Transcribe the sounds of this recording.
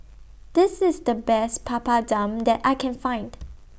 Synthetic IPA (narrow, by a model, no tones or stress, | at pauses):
d̥ɪsɪsdəbɛspʰapadãmdɛtʔaɪkʰɛ̃nfãɪ̃nd